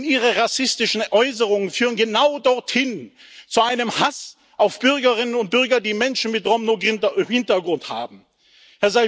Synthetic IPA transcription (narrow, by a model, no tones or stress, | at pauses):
niːʁəʁasɪstɪʃn̩ʔɔʏs̬əʁʊŋənfyːʁ̞ənɡənaʊdɔɐthɪn | t͡suʔaɪnəmhas | ʔaʊfb̥ʏʁɡɐʁɪnənʊnt̚b̥ʏɐɡɐdiːmɛnʃn̩mɪtʁɔmnoɡɪntɐhɪntɐɡʁʊntha̰ːbm̩ | hɛɐzaɪ